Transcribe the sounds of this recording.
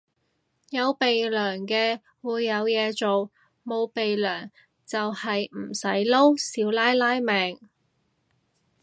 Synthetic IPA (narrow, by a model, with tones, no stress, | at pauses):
jɐ˨˧wpe˨jlœː˨˩ŋkɛː˧ | wuː˨˧jːɐ˨˧wjɛː˨˧t͡so˨w | mo˨˧wpe˨jlœː˨˩ŋ | t͡sɐ˨whɐ˨jm̩˨˩sɐ˨˥jlo˥wsiː˨˧wlaː˥jlaː˥jmɛː˨ŋ